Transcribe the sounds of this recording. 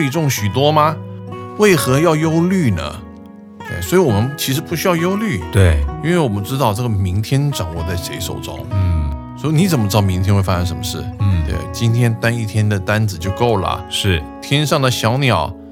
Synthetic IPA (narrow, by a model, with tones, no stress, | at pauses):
i˨˩ʈ͡ʂʊ˥˩ŋɕy˨˩t̪wɔ˥mɐ˧we˥˩ɪxɤ˧˥jɑ˥˧ʊjo˥ʊly˥˩nə̰˩ | t̪we˥˩swɔ˧˥i˧˥wɔ˨˩mə˦nt͡ɕʰi˧˥ʂɻ̩˧˥pu˥˩ɕy˥jɑ˥˧ʊjo˥ʊly˥˩t̪we˥˩ɪi˥nwe˥˩ɪwɔ˨˩mə˦nʈ͡ʂɻ̩˥t̪ɑ˥˧ʊʈ͡ʂɤ˥˩ɡə˩mi˧˥ŋt̪ʰjɛ˥nʈ͡ʂɑ˨˩ŋwɔ˥˧t͡sa˥˩ɪʂe˧˥ɪʂo˨˩ʊʈ͡ʂʊ̰˥ŋ | swɔ˧˥i˧˥ni˧˥t͡sə˨˩mə˦ʈ͡ʂɻ̩˥ɑ˥˩mi˧˥ŋt̪ʰjɛ˥nxe˥˩ɪfa˥ʂə˧˥nʂə˧˥mə˧ʂɻ̩˥˩˥t̪wḛ˥˩ɪt͡ɕi˥nt̪ʰjɛ˥nt̪a˥ni˥˩t̪ʰjɛ˥nd̪ə˨t̪a˥nd͡zɹ̩˨˩t͡ɕjo˥˧ʊko˥˩ʊlə̰˩ʂɻ̩˥˩t̪ʰjɛ˥nʂɑ˥˩ŋd̪ə˩ɕjɑ˧˥ʊnjɑ˨˩˦ʊ